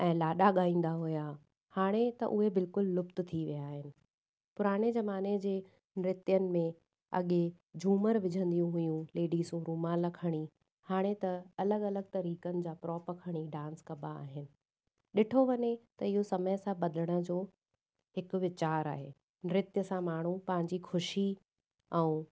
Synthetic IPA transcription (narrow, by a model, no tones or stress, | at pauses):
ɛ̃ːlaːɗaɠaːĩːn̆d̪aɦʊja | haːɽ̃et̪ɐ̰ʔʊɦebɪlkʊlːʊpt̪t̪ʰiʋijaːɦɪnɪ̆ | pʊɾaːɽ̃ezɐmaːned͡ʑeː | nɪɾɪt̪jənɪ̆mẽ | ɐ̰ɠe | d͡ʑʱuːməɾʋɪd͡ʑʱə̃nd̪ijũɦʊjũleːɖisũɾuːmãlɐkʰəɽ̃i | haːɽ̃et̪ɐɐləɠɐləɠ̚t̪ɐɾiːkənɪ̆d͡ʑaːpɾɔːpɐkʰəɽ̃iɖãːnskɐbaa̰ːɦɪnɪ̆ | ɗɪʈʰoʋɐɲet̪ɐɪɦosɐməjsãɓɐd̪əɽ̃ə̆d͡ʑoː | ɦɪkʊ̆ʋɪt͡ɕaːɾa̰ːɦḛː | nɪɾɪt̪jəsãmaːɳ̤ũpɐ̃ɦɪ̃ɲd͡ʑixʰʊʃi | ɛ̃ː